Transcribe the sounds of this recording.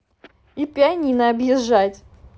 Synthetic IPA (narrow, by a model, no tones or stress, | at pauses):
ipʲɪɐnʲinəɐbjɪʐːatʲ